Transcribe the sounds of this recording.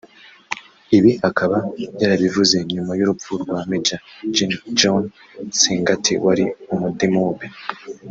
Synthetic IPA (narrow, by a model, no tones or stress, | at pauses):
iβihakʰaβajaːɾaβivuze̞ɲumajuɾupfuɾɡwamid͡ʒad͡ʒind͡ʒon | siːŋɡatʰiwaɾiumudimuːbe